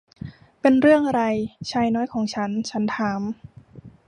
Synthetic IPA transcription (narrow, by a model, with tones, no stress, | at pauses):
pe˧nɾɯ˥˩əŋʔa˧ɾa˧jt͡ɕʰaː˧jnɔː˦˥jkʰɔː˩˦ŋt͡ɕʰa˦˥nt͡ɕʰa˦˥nt̪ʰaː˨˩˦m